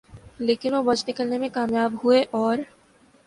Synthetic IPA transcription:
leːkɪnʋobɐt͡ʃnɪkəlnemẽkaːmjaːbɦueʔɔːɾ

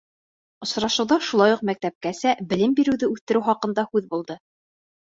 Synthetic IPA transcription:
ŏsɾɑʃɤ̆wðɑʃulˠɑjuqmæk̚t̪æp̚kæsæbɘ̆lɘmbiɾɘ̆wðɘʉθt̪ɘ̆ɾɘwχɑqɤ̆nd̪ɑhʉðbulˠd̪ɤ

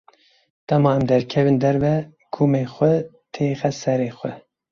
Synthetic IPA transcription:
d̪̥ɛmɑːɛmd̪ɛɾkʰɛvɨnd̪ɛɾvɛ | ɡʰuːmeːxʷɛ | t̪ʰeːxɛsɛɾeːxʷɛ

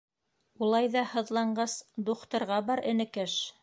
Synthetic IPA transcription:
ulˠɑjðɑhɤ̆ðlˠɑɴɢɑsd̪uqt̪ɤ̆ɾʁɑbɑɾɘ̆nɘ̆kɘʃ

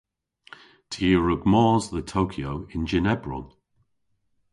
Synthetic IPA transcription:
tʰiəɹʊɡmɔːzðətʰoʊkʰjoʊɪ̃nd͡ʒɪnɛbɹʊ̰lˠ

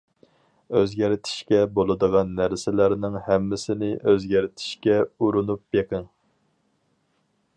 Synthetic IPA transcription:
øzɡʲæɾɪt̪ʰɪ̥ʃkʲɛbolˠɨd̪əʁɑnːæɾsɪlæɾnɪŋhɛmːɪsɪnɪʔøzɡʲæɾɪt̪ʰɪ̥ʃkʲɛuɾunup̚beqʰɪŋ

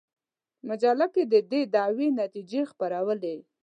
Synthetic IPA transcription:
mad͡ʒalaked̪əd̪ed̪ɑwenat̪id͡ʒexpaɾawəle

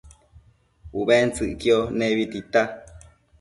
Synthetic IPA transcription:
uβent͡sɨʔkioneβit̪it̪a

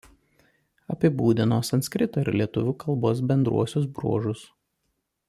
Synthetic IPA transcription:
ɐpʲɪbuːd̪ʲɪnoːsɐnt̪sʲkʲɾʲɪt̪oɪɾlʲiɛt̪ʊʋʲʊːkɐlˠˑboːs̬bʲɛnd̪ɾṵɔsʲʊs̬bɾṵɔʒʊs

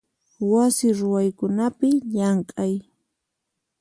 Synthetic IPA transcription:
wasɪɾʊwajkʊnapɪʎaŋkʼaj

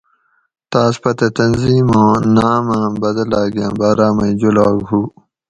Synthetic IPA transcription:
t̪aːspɐt̪et̪ɐnziːmõːnaːmãːbɐd̪ɐlaːɡjã̰ːbaːɾaːmɐid͡ʑulaːɡɦuː

